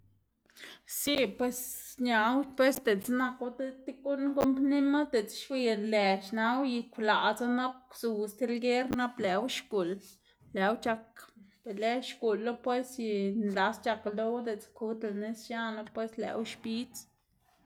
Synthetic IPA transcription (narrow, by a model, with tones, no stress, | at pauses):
si˦pwe˧sɲa˨wpwe˦sd̪e˨t͡sna˧ka˦t̪e˦t̪i˦ku˦nko˦mpni˦ma˦d̪e˨t͡sʃwi˧nle˨t͡ʃna˧˦wji˧kʷla˨ʔt͡sa˦na˦p̚su˨st̪i˧lɡe˦ɾna˦ble˨˦wʃɡu˨lː | e˨˦wt͡ʃa˧kb̥e˨le˦ʃɡu˨lːo˦pwe˦sji˧nd̪a˧st͡ʃa˧klo˦wd̪e˨t͡sku˧t̪la˨ne˦sja˦na˧pwe˦slḛ˨wʃpi˦t͡s